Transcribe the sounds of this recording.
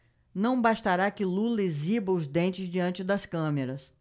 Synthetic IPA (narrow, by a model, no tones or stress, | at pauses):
nɐ̃w̃baʃt̪aɾakɪlulezibɐʊzd̪ẽnt͡ʃɪzd͡ʒiɐ̃nt͡ʃɪd̪ɐskɐ̃meɾɐs